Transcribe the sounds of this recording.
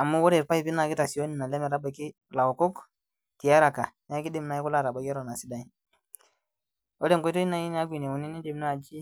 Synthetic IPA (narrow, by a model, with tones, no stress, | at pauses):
a˨mːu˦wɔ˦ɾɛ˨ɾpa˦i˨pi˦na˨ki˦ta˨si˨jo˦ni˨na˨lɛ˦mɛ˨ɾa˦ba˨ki˦ | la˨wo˨kɔ˦k | ti˨ja˦ɾa˨ka˨n˦a˦ki˦di˦mna˦i˦ku˦la˦˨ɾa˨ba˨kɛ˦ɾɔ˨na˨si˦da˨i˨ | o˦le˦˨ŋkɔ˦to˦i˦na˨i˦n˦a˦ɡʷi˨ne˨u˨ni˦ni˦di˨m˦na˦˨d͡ʒi˦